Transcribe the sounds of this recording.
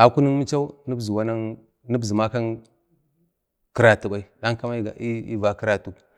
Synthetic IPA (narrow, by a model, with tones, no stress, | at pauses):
a˨ku˦ni˦mi˦t͡ʃa˦u˦ni˦bzi˨wa˦na˦ŋ | ni˦bzi˨ma˦ka˦n | ki˦ɾa˨tu˨ɓa˨i˦ɗa˦ŋka˦ma˦i˦ɡa̰˨ʔi˦ḭ˦va˨ki˦ɾa˦tu˨k